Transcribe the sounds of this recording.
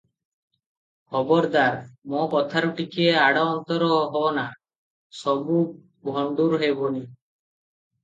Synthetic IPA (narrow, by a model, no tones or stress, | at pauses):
kʰɔbɔɾd̪aɾmokɔt̪ʰaɾɔʈikieaɽɔɔnt̪ɔɾɔɦɔna | sɔbu | bʱɔɳɖuɾɦebɔni